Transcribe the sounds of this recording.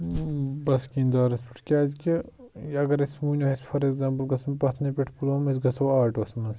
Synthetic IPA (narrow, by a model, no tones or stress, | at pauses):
bɐskiːnd̪aːɾɐspi̥ʈʰkʲaːzke | ɐɡɐɾismuːnʲɐispʰɐɾekzãːmpəlɡɐsmpɐt̪ʰnɐpʲeʈʰpulomis̬ɡɐsɐʋaːʈʋɐsmɐns